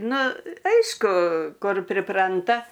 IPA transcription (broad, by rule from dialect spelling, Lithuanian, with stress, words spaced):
ˈnʊ ˈɐɪʃkʊ ˈkʊr pʲrʲɪˈprɐntɐ